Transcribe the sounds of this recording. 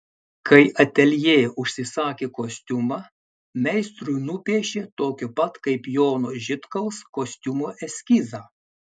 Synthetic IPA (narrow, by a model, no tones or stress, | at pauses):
kʰɐɪʔɐt̪ʲɛlʲjeːʊʃʲsʲɪsɑːkʲeːkoːsʲt̪ʲʊmɑː | mʲɛɪst̪ɾʊjnʊpʲiɛʃʲet̪oːkʲʊpɐt̪kɐɪpjoːnoʒʲɪt̪kɐlˠskoːsʲt̪ʲʊmoːʔɛsʲkʲiːzɑː